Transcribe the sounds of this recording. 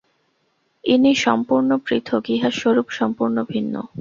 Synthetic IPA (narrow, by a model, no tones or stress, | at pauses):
iniʃɔ̰mpuɾnopɾit̪ʰoɡiɦaʃoɾupʃɔmpuɾnobʱinːo̰